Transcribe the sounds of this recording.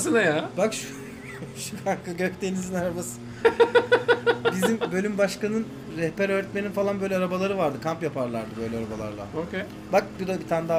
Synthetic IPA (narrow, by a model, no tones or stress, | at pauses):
sɯnajabakʃu | ʃukaŋkaɟøkt̪e̞nizinaɾabasɯ | bizimbø̞lʲymbaʃkanɯn | ɾɛhpæɾøːɾɛt̪meninfalˠanbø̞jlʲɛaɾabalˠaɾɯvaɾd̪ɯkʰampjapʰaɾlˠaɾd̪ɯbø̞jlʲɛaɾabalˠa̰ɾlˠa̰okʰe | bak̚bud̪abit̪ʰand̪a